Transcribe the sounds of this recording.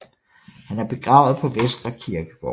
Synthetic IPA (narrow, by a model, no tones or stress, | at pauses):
hænæɐb̥e̝ɡ̥ʁɑ̈ʊð̩ˠpʰɒ̽ʋesd̥ɐkʰiɐɡ̥əɡ̥ɒ̰